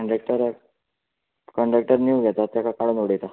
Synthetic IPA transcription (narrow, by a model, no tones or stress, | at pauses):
ɳɖɾek̚ʈəɾ | kəɳɖɾək̚ʈəɾnjuɡʱɛt̪at̪jakʰakaɽunʋoɽ̤ejt̪a